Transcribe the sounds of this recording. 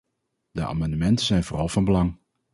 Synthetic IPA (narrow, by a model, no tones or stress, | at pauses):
dəa̰ːmɑndəmɛntənzɛjnvoːrɑlˠvɑnbəlɑŋ